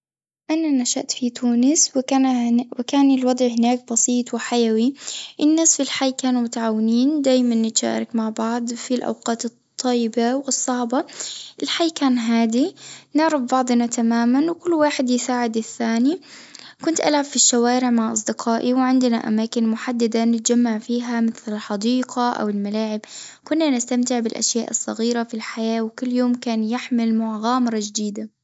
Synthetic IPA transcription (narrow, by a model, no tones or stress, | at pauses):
ʔananaʃa̰ʔt̪fit̪uːnɪswɪkawɪkaːnɪlwɑd̪ˤʕɦɪnaːk̚bɑsiːt̪ˤwɪħajawiʔɪnːaːsfilħajːkaːnumʊt̪aʕaːwɪniːnd̪aːjmanːɪt̪ʃa̰ːɾˤɪkmaʕbɑʕd̪ˤfilʔa̰wqɑːt̪ɨt̪ˤːɑjːɪbawɨsˤːɑʕbɑʔɪlħajːkaːnɦaːd̪inɪʕɾɪfbɑʕd̪ˤnat̪amaːmanwkʊlːwaːħɪd̪jɪsaːʕɪd̪ɪθːaːni | kʊnt̪ʔa̰lʕab̥fiʃːawaːɾɪʕmaʕʔɑsˤd̪ɪqʰɑːʔiwʕɪnd̪na̰ʔa̰maːkɪnmʊħad̪ːad̪anɪt̪d͡ʒamːaʕfiːɦamɪθlɪlħɑd̪iːqaʔa̰wɪlmalaːʕɪbkʊnːanɪst̪amt̪ɪʕbɪlʔa̰ʃjaːʔɨsˤːɑɣiːɾafilħajaːwkʊlːjoːmkaːnjɪħmɪlmʊʕɣaːmɪɾˤɑd͡ʒd̪iːd̪a